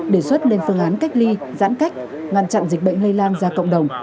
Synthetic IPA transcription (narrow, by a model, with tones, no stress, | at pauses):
ɗi˧˩əswə˦˥t̚le˧nfɨ˧əŋʔaː˨˦nka˦˥jk̚li˧za̰ː˧˥nka˦˥jk̟̚ | ŋaː˨˩nt͡ɕa̰˧˨nzi˨˩k̟̚ɓə̰˧˨jŋ̟lə˧jlaː˧ŋzaː˧kə̰˧˨wŋ͡mɗə˨˩wŋ͡m